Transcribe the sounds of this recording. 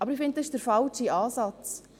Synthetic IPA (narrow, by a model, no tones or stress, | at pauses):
ʔɑbəɾifɪnt̚dsɪʃd̥əɾfɑlʃiɑːsɑt͡s